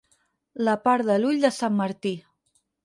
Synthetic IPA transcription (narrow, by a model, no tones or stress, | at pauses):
ləpaɾðəluʎd̪əsamːəɾt̪i